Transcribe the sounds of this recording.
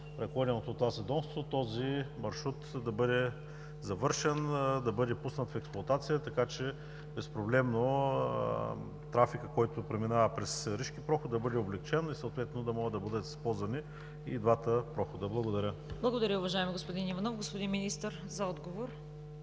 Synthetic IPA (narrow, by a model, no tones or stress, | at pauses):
pɾɛklˠɔɾʲɛnot̪ot̪ːovasɛd̪ɔmst̪vot̪ɔzimɐɾʃɾut̪d̪ɐbɤd̪ɛ | zɐvɤɾʃɛnd̪ɐbɤd̪ɛpusnət̪fɛksplˠɐt̪at̪sijət̪ɐkat͡ʃɛ | bɛspɾoblɛmno̰ | t̪ɾafikəkɔjt̪opɾɛminavəpɾɛsɾiʃk̟ipɾɔxod̪̚d̪ɐbɤd̪ɛoblɛkt͡ʃɛnisɐot̪vɛt̪ɛnod̪ɐmɔɡəd̪ɐbɤd̪ət̪spɔzvɐni | id̪vat̪əpɾɔxod̪əblˠɐɡod̪ɐɾʲəblˠɐɡod̪ɐɾʲəʊvɐʒaɛmiɡospod̪inivɐnɔfɡospod̪inminist̪əɾ | zɐɔd̪ɡovoɾ